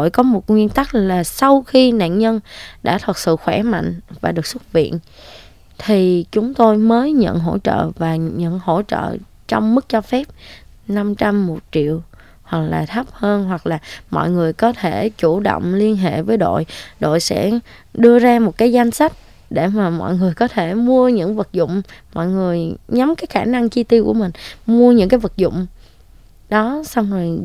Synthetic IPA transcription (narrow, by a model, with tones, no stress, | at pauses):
o˧˨jkɔ˨˦mo˨˩t̚ŋwi˧ənt̪a˦˥k̚laː˨˩sa˧wxi˧na̰ː˧˨nɲə˧nɗa̰ː˧˥t̪ʰwə˨˩t̚sɨ̰˧˨xwɛ˧˩ma̰˧˨ŋ̟vaː˨˩ɗɨ˨˩ək̚swə˦˥t̚vḭ˧˨ən | t̪ʰi˨˩t͡ɕʊ˨˦ŋ͡mt̪o˧jməː˨˦jɲə̰˧˨nɦo̰˧˥t͡ɕə̰ː˧˨vaː˨˩ɲə̰˧˨nho̰˧˥t͡ɕə̰ː˧˨ | t͡ɕɔ˧wŋ͡mmɨ˦˥k̚t͡ɕɔ˧fɛ˦˥p̚ | na˧mt͡ɕa˧mːo˨˩t̚t͡ɕḭ˧˨əw | hwa˨˩k̚laː˨˩t̪ʰə˦˥p̚həː˧nɦwa˨˩k̚laː˨˩mɔ̰˧˨jŋɨ˨˩əjkɔ˨˦t̪ʰe˧˩t͡ɕu˧˩ɗə̰˧˨wŋ͡mli˧ənɦḛ˧˨vəː˨˦jɗo̰˧˨jɗo̰˧˨jsɛ̰˧˥ | ɗɨ˧əzaː˧mo˨˩t̚kaː˨˦jza˧jŋ̟sa˦˥jk̚ | ɗe˧˩maː˨˩mɔ̰˧˨jŋɨ˨˩əjkɔ˨˦t̪ʰe˧˩mu˧əɲɨ̰˧˥ŋvə˨˩t̚zʊ̰˧˨ŋ͡mmɔ̰˧˨jŋɨ˨˩əjɲa˨˦mkaː˨˦jxaː˧˩na˧ŋt͡ɕi˧t̪i˧ku˧˩əmï˨˩ŋ̟mu˧əɲɨ̰˧˥ŋkaː˨˦jvə˨˩t̚zʊ̰˧˨wŋ͡m | ɗɔ˨˦sa˧wŋ͡mzo˨˩j